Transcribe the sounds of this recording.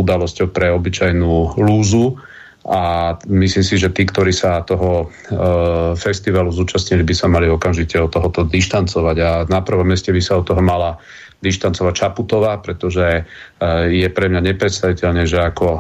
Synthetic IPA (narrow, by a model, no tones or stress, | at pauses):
ud̪alɔscɔʊpɾɛɔbit͡ʃajnuːluːzu | amislimsiʒɛt̪iːkt̪ɔɾiːsat̪ɔɦɔ | fɛst̪iʋaluzuːt͡ʃasɲilibisamaliɔkamʒicɛɔt̪ɔɦɔt̪ɔd̪iʃt̪ant͡sɔʋaɟanapr̩ʋɔmjɛscɛbisaɔt̪ːɔɦɔmala | d̪iʃt̪ant͡sɔʋac̚t͡ʃaput̪ɔʋaːpɾɛt̪ɔʒɛ | jɛpɾɛmɲaɲɛpɾɛt̪st̪aʋicɛʎɲɛʒɛakɔ